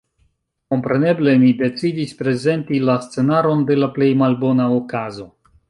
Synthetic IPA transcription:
ko̞mpɾe̞ne̞ble̞mide̞t͡sidispɾe̞ze̞ntilast͡se̞naɾo̞nde̞laple̞jmalbo̞naokazo̞

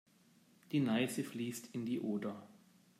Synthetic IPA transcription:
d̥iːnaɪsəfliːstʰɪndiːʔoːdɐ

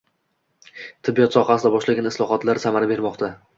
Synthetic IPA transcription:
t̪ʰɪbːijɒt̪sɒχɑsɪd̪abɒʃlaɡʲanɪslˠɒχɒt̪laɾsamaɾabe̞ɾmɒqt̪ʰa

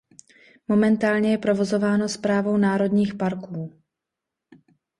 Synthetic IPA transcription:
mo̞mɛnt̪aːlɲɛjɛpɾo̞vo̞zo̞vaːno̞spɾaːvo̞wnaːɾo̞dɲiːxpaɾkuː

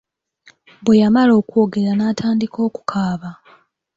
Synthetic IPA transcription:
bwejamalo̞ːkwoɡe̞ɾanaːtʰaːndikʰo̞ːku̥kʰaːβa

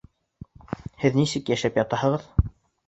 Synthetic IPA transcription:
hɘðnisɘkjæʃæpjɑt̪ɑhɤ̆ʁɤð

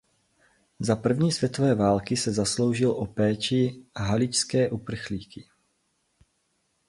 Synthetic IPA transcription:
zapr̩vɲiːsvjɛt̪ovɛːvaːlkɪsɛzaslo̞wʒɪlʔopɛːt͡ʃɪɦalɪt͡ʃskɛːʔupr̩xliːkɪ

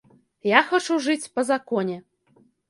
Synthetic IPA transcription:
jaxat͡ʂuʐɨt͡sʲpɐzakɔnʲɛ

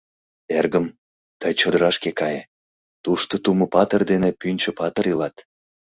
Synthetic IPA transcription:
erɡəm | t̪əjt͡ɕod̪əɾɑʃkekɑje | t̪uʃt̪ot̪uməpɑt̪ərd̪enepynʲt͡ɕə̆pɑt̪əɾilɑt̪

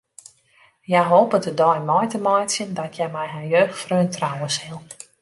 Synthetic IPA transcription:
jajɦoːpɔdədɔjmɔjtəmɔjtsjəndɔtʰjɛjmɛjɦanjøːxtfrøːntrawəsɪlˠ

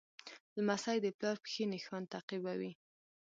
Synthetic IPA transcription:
ləmasajd̪əplɑɾpə̥xinexwand̪̚t̪aqibawi

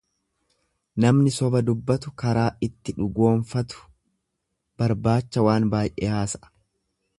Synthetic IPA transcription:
nɐmnɪsɔbɐd̪ʊbːɐt̪ʊkɐɾaːʔɪt̪ːɪᶑʊɡo̞ːɱfɐt̪ʊ̥ | b̥ɐɾbaːt͡ʃːɐwaːnbaːjʔḛhaːsɐ

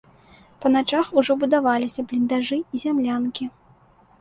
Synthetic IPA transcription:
pɐnat͡ʂaxuʐɔbud̪avalʲisʲɐblʲind̪aʐɨizʲamlʲankʲi

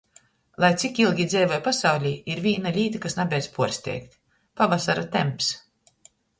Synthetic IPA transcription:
lˠajt̪sʲikilˠɡʲid̪zɛːvɔjpasawlʲiiɾvʲiːnalʲiːt̪akasnabʲɛjd̪spuɔɾsʲt̪ʲɛ̰ːkt̪ | pavasaɾat̪ɛmps

